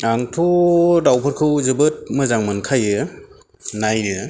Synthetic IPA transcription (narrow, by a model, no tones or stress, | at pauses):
aŋtʰudawpʰɯɾkʰɯwzɯbɯt̚mɯzaŋmɯnkʰajɯ | najɾɯ